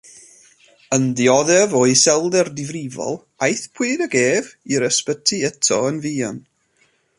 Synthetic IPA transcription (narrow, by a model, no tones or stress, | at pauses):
ənðiɔðɛvɔisɛlˠdɛrdɪvrɪvɔ̰lˠ | ajθpʰw̥ɨːdəɡeːviɾəspətʰiətʰɔənviːɔn